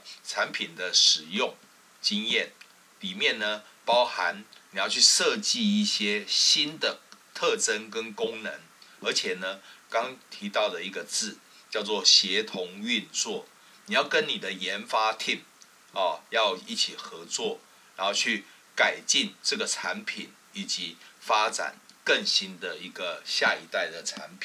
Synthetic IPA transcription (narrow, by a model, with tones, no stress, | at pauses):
ʈ͡ʂʰa˧˦npʰi˨˩nd̪ə˦ʂɻ̩˨˩jʊ˥˩ŋ | t͡ɕi˦ŋjɛ˥˩n | li˨˩mjɛ˥˨nnə˩ | pɑ˥ʊxa˧˦nni˨˩jɑ˥˧ʊt͡ɕʰy˥˩ʂɤ˥˧t͡ɕi˥˧i˥˩ɕjɛ˦ɕi˥nd̪ə˨t̪ʰɤ˥˨ʈ͡ʂə˦˥nkə˦nkʊ˦˥ŋnə˧˦n | ə˞˧˥t͡ɕʰjɛ˨˩nə˦kɑ˥ŋt̪ʰi˨˧˥t̪ɑ˥˩ʊd̪ə˩i˧˥ɡə˨t͡sɹ̩˥˩ | t͡ɕjɑ˥˧ʊt͡swɔ˥˨ɕjɛ˨˧˥t̪ʰʊ˧˦ŋy˥˧nt͡swɔ˥˨˩ | ni˨˩jɑ˥˩ʊkə˦nni˨˩d̪ə˨jɛ˧˥nfa˥t̪ʰi˥˩m | ɔ˨˩jɑ˥˧ʊi˥˩t͡ɕʰi˨˩xɤ˧˦t͡swɔ˥˩ | ɻa˨˧˦nho˥˧ʊt͡ɕʰy˥˩ | ka˨˩ɪt͡ɕi˥˧nʈ͡ʂɤə˥˩ɡə˩t͡sʰa˧˥npʰi˨˩n | i˨˩t͡ɕi˧˦fa˦t͡sa̰˨˩nkə˥˩ŋɕi˦˥nd̪ə˨i˧˥ɡə˨ɕja˥˩i˧˥t̪a˥˩ɪd̪ə˩ʈ͡ʂʰa̰˧˥npʰi˨˩